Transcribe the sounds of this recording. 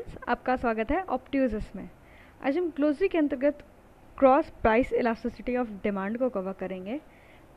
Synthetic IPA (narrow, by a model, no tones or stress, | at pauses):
nsa̰ːp̚kasʋaːɡət̪ɦɛʔɔːpʈjuzəsmḛ̃ | a̰ːd͡ʒɦɐmkloːzɾikeɐ̃nt̪əɾɡət̪ʰ | kɾɔːspɾaːɪsɪlaːsɐsɪʈiɔːfɖɪmãːɳɖkokɐʋakɐɾẽːŋɡeː